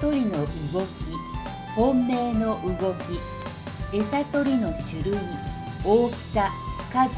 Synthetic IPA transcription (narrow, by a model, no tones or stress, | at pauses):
o̞ɾʲino̞ʔɯ̟ɡo̞kʲi | hõmːe̞ːno̞ʔɯ̟ɡo̞kʲi | e̞sat̪o̞ɾʲino̞ɕɨɾɯ̟i | oːkɯ̥t̪aka